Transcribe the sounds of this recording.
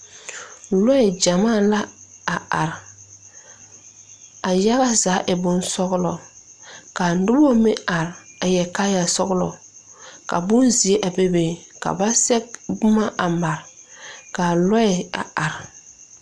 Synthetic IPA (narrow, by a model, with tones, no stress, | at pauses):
lɔ˦ɛ˨d͡ʒa˨maː˦˨la˦a˨a˨ɾ | a˨ja˦ɣa˦zaː˨˦ʔɪ˨bʊ˦nsɔ˦ɣʊ˦lɔ˨ | ka˨n̩˦dʊ˦bɔ˦mɪ˦ʔa˨ɾa˨jɛ˨ka˦ja˨sɔ˦ɣʊ˦lɔ̰˨ | ka̰˨bʊ˦nzi˨e˦ʔa˨be˦be˨ka̰˨ba˦sɛ˦k̚bʊ˦ma˦ʔa˨ma˨ɾka˨lɔ˦ɛ˨a̰˨a˨ɾ